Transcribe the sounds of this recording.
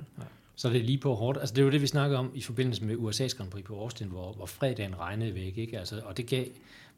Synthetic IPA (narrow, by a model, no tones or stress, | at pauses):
sɒ̽d̥e̝liːpʰɒ̽ɦɒːd̥ælsəd̥e̝d̥e̝ʋisnɑ̈ɡ̥əð̩ˠɒ̽mifɒ̽b̥e̝n̰l̩səmeuesɛ̰ːsɡ̥ʁɑnpʰʁḭːpʰɒ̽ɒːsd̥enʋɒʋɒfʁɛðˠd̥ɛ̰ːn̩ʁɑ̈ɪnəð̩ˠʋeɡ̥əeɡ̥əælsəɒ̽d̥e̝ɡ̥ɛ̰ː